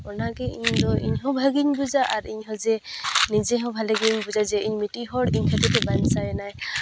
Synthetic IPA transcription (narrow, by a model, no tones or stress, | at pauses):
ɔnaɡɛiɲdɔʔiɲɦɔ̃bʱaɡiɲbuzaʔaɾiɲɦɔzɛnizɛɦɔ̃bʱalɛɡiɲbuzazɛiɲmitiɦɔɽiɲkʰatɛtɛbansajnaj